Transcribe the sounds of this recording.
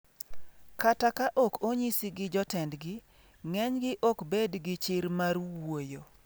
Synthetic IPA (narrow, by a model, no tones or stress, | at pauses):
katakaʔɔkʰoɲisiɡɪd͡ʒɔtɛndɡɪ | ŋɛɲɡɪʔɔkbedɡɪt͡ʃɪɾmarwojo